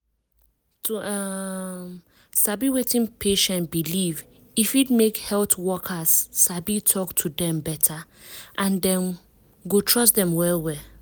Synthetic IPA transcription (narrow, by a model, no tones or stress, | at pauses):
tu | sabiwetĩnpʰeʃɛ̃ntbiliv | ifitmekhɛltwɔkʰasːabitʰɔktʰudɛ̃mbɛtʰa | ʔãndɛ̃m | ɡotʰɹɔs̬dɛ̃mwɛlwɛ